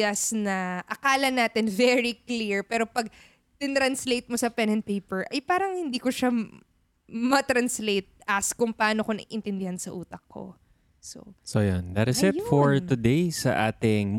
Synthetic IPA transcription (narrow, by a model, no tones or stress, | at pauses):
ɐsnɐʔɐkaːlɐnaːt̪ɪnvɛɹikliɹpɛːɾo̞pɐɡ̚ | d̪ɪt̪ɾɐnslejt̪̚mosɐpɛnɛnt̪̚pejpɛɹʔɐjpaːɾɐŋhɪnd̪iːkoʃa | mɐt̪ɾɐnslejt̪̚ɐskʊŋpɐʔaːnokonɐ̰ɡʔɪnt̪ɪnd̪ɪhansɐʔuːt̪ɐk̚kːo̞̰ | so̰sojond̪ɐt̪ɪsɪt̪fɔɹt̪ʊd̪ejsɐ̰ʔaːt̪ɪŋm